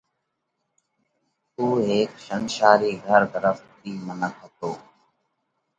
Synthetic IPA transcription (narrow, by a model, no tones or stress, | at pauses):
t̪uːɦeːkʃənʃaːɾiːɡʱəɾd̪əɾəft̪ːiːmənəkɦət̪oː